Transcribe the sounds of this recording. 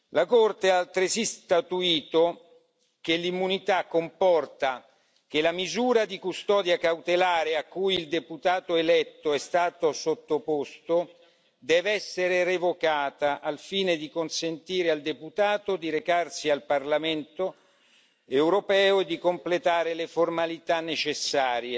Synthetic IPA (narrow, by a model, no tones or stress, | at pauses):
lakort̪ealt̪ɾesist̪at̪uiːt̪o | k̟elːimːunit̪akːompɔrt̪a | k̟elamizuːɾad̪ikust̪ɔːd̪jakawt̪elaːɾeakːujild̪eput̪aːt̪oelɛt̪ːoɛst̪aːt̪osot̪ːopost̪o | d̪ɛːvɛsːeɾerevokaːt̪aʔalfiːned̪ikonsent̪iːɾeald̪eput̪aːt̪od̪iɾekarsialparlament̪o | ewɾopɛːoed̪ːikomplet̪aːɾeleformalit̪anːet͡ʃesːaːɾje